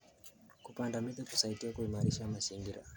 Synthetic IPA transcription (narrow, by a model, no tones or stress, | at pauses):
kupandamiɗaku̥saitiakuimaɾiʃamaziŋɡiɾa̰